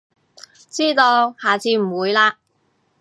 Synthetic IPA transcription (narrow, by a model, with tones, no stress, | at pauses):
t͡siː˥t̪o˧whaː˨˩t͡siː˧m̩˨˩wuː˨˧jlaː˧